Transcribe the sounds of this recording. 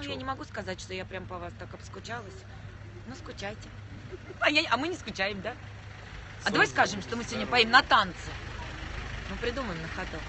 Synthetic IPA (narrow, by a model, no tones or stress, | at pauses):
nʊjanʲɪmɐɡuskɐzatʲʂt̪o̞japɾʲampɐvast̪akɐpskʊt͡ɕalˠəsʲ | noskʊt͡ɕæjtʲɪ | ɐjaɐmɨnʲɪskʊt͡ɕæjɪmd̪a | ɐd̪aɐvajʲskaʐɨmʂt̪omɨsʲɪvodʲnʲəpajʲimnɐt̪ant̪sɨ | nupɾʲɪd̪uməvɪmnəxɐt̪o